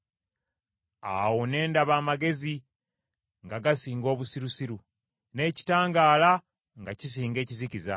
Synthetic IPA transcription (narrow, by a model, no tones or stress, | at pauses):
a̰wo̞ne̞ːndaβaːmaɡe̞zi | ŋɡaɡasiːŋɡo̞ːβusiɾusiɾu | ne̞ːci̥taːŋɡaːla | ŋɡacis̬iːŋɡe̞ːciziciza